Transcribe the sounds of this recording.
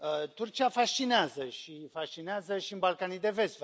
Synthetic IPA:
t̪urt͡ʃiafaʃt͡ʃineazəʃifaʃt͡ʃineazəʃiɨnbalkanijd̪e̞ve̞st̪v

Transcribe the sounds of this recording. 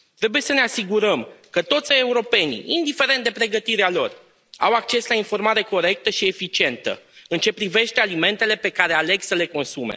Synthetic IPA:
t̪ɾe̞buje̞səne̞asiɡuɾəmkət̪o̞t̪sʲeuɾo̞pe̞nḭind̪ife̞ɾent̪d̪e̞pɾe̞ɡət̪iɾealo̞̰r | a̰wak̚t͡ʃe̞slainfo̞rmaɾe̞ko̞ɾe̞k̚t̪əʃie̞fit͡ʃie̞nt̪ə̰ɨnt͡ʃe̞pɾive̞ʃt̪ealime̞nt̪e̞le̞pe̞kaɾeale̞ɡsəle̞ko̞nsume̞̰

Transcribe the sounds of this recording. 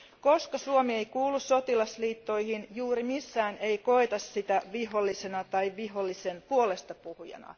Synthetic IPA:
ko̞skɑsuomie̞jkuːlːˑusso̞t̪ilɑsliːt̪ːo̞jhinjuːɾimisːæːne̞iko̞et̪ɑssit̪æʋiɦo̞lːisenɑt̪ɑiʋiɦolːisenpuole̞st̪ɑpuhujɑ̰nɑ̰

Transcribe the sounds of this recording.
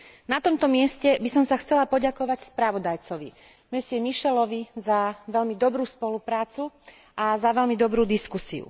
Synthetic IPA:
nat̪ɔmt̪ɔmɪɛscɛbisɔmsaxt͡sɛlapɔɟakɔʋacspɾaʋɔd̪ajt͡sɔʋḭ | mɛsiɛmiʃɛlɔʋizaʋɛlmid̪ɔbɾuːspɔlupɾaːt͡su | ʔazaʋɛlmid̪ɔbɾuːd̪iskusḭṵ

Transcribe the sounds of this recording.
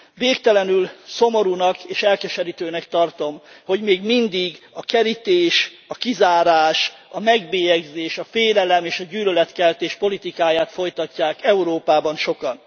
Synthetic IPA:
veːkt̪ɛlɛnylso̞mo̞ɾuːnɒkeːʃɛlkɛʃɛɾit̪øːnɛkt̪ɒrt̪o̞mho̞ɟmeːɡmind̪iɡɒkɛɾit̪eːʃɒkizaːɾaːʃɒmɛɡbeːjɛɡzeːʃɒfeːlɛlɛmeːʃɒɟyːlølɛt̪kɛlt̪eːʃpo̞lit̪ikaːjaːt̪fo̞jt̪ɒcːaːkɛuɾoːpaːbɒnʃo̞kɒn

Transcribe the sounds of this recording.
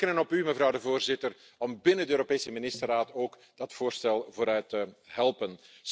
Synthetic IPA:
kənənɔpyməvɾʌwdəvoːrzɪtər | ɔmbɪnəndəøːɾopeːsəmɪnɪstəraːtoːk | d̥ɑtfoːrstɛlˠvoːɾœɥtəɦɛlˠpən

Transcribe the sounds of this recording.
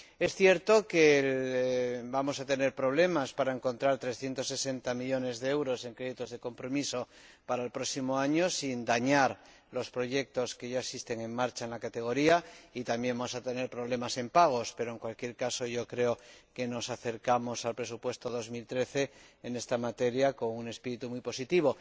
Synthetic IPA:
e̞sθje̞ɾt̪o̞ke̞ | bamo̞sat̪e̞ne̞ɾpɾo̞β̞le̞maspaɾae̞ŋko̞nt̪ɾaɾt̪ɾe̞sθje̞nt̪o̞sːe̞se̞nt̪amiʎo̞ne̞zðeewɾo̞se̞ŋkɾeðit̪ozðe̞ko̞mpɾo̞miso̞ | paɾaelpɾo̞ksimoaɲo̞sind̪aɲaɾ | lo̞spɾo̞ʝe̞k̚t̪o̞ske̞ʝaesist̪e̞ŋe̞ŋmaɾt͡ʃaenlakat̪e̞ɣ̞o̞ɾiait̪ambje̞mbamosat̪e̞ne̞ɾpɾo̞β̞le̞mase̞mpaɣ̞o̞spe̞ɾo̞e̞ŋkwalkje̞ɾkaso̞ʝo̞kɾe̞oke̞no̞saθe̞ɾkamo̞salpɾe̞supwe̞st̪o̞ðo̞zmilt̪ɾe̞θe̞ːne̞st̪amat̪e̞ɾjako̞ŋune̞spiɾit̪umujpo̞sit̪iβ̞o̞

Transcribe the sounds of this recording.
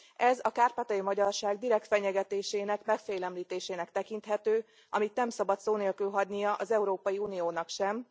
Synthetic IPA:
ɛzɒkaːrpat̪ɒjimɒɟɒrʃaːɡd̪iɾɛk̚t̪fɛɲɛɡɛt̪eːʃeːnɛkmɛkfɛjlɛmliːt̪eːʃeːnɛkt̪ɛkint̪ɦɛt̪øː | ʔɒmit̪nɛmsɒbɒt̪soːneːlkylɦɒɟnijɒʔɒzɛuɾoːpɒjiuːnijoːnɒkʃɛm

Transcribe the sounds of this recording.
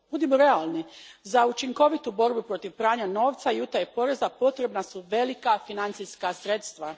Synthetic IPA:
b̥ud̪emoɾe̞alˠnizaut͡ʃiŋko̞ʋit̪ubo̞ɾbupɾo̞t̪iʋpɾaːɲano̞ːʋt̪sajut̪ajepo̞ɾe̞zapo̞t̪ɾe̞bnasuʋe̞likafinant̪siskasɾe̞t̪st̪ʋa

